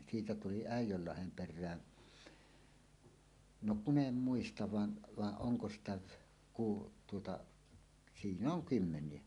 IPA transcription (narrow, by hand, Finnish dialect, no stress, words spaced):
siːtæ tuli æˑijˑølːɑhem perˑæː no kun em muistɑʋ ʋɑn ʋɑʔ ʔoŋko sitæ ku tuotɑ sinː oŋ kymːenˑie